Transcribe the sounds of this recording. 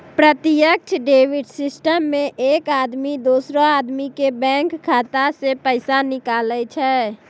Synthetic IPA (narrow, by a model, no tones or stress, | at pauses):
pɾət̪ɪjək̚t͡ʃʰɖeːwɪɖsɪsʈəmːẽʔeːkaːd̪mid̪oːsɾõaːd̪mikebɛ̃ːŋkʰːaːt̪asepəɪsanɪkaːlət͡ʃʰɛː